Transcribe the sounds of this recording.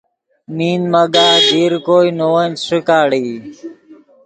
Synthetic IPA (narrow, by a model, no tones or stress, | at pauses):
miːnməɠaːɡʱiːɾkoːiːnoːənsɪkaːɽiː